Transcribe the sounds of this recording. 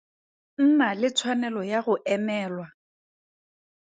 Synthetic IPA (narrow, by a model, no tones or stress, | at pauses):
n̩nalɪt͡sʰwanɛlɔjaɣʊʔɛmɛːlwa